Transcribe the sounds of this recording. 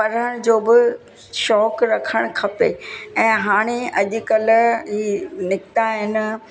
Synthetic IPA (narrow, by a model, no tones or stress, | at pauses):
pɐɾəɽ̃d͡ʑoːbɪ | ʃɔːkɾɐkʰəɽ̃kʰɐpeɛ̃ːɦaːɽ̃eɐʄʊ̆kɐlɦiːnɪkt̪aɦɪnɪ̆